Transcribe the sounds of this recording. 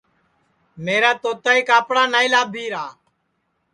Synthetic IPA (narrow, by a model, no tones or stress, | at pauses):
meːɾaːt̪oːt̪aːiːkaːpɽaːnaːilaːbʱiːɾaː